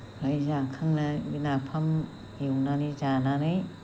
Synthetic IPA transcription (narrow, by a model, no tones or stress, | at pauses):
ɾɯjzaŋkʰɯŋnabinapʰam | jiwnanɯzananɯj